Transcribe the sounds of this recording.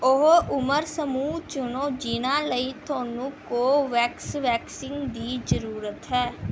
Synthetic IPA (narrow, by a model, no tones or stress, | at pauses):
ʊɦoːʔʊməɾsəmuːt͡ʃʊnõːd͡ʒiːnãːləiːt̪ʰʊaːnũːkoːʋɛːksʋɛːksɪŋɡd̪iːd͡ʒəɾuːɾət̪ɦɛː